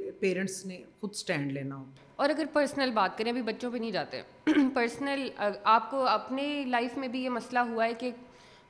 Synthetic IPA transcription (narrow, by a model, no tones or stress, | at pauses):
peːɾə̃ɳʈsnẽxʊd̪sʈɛ̃ːɳɖleːnaɦo | ɔːɾɐɡəɾpəɾsnəlbaːt̪̚kɐɾẽɐbʱibɐtːʃõpenɐɦĩd͡ʒaːt̪eɦɛ̰̃ | pɐɾsnəlaːp̚koɐpnelaːɪfmẽbʱijemɐslaɦuaɦɛke